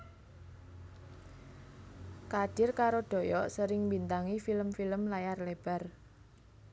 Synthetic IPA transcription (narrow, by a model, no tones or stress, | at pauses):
kad̥ɪrkaɾoɖ̪̥o̤jɔʔsəɾɪŋmbint̪aŋifiləmfiləmlajarleb̥a̤r